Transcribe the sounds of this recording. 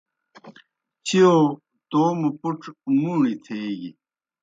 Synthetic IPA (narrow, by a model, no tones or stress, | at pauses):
t͡ɕʰijo | t̪oːmupuʈ͡ʂʰmuːɳit̪ʰeːɡi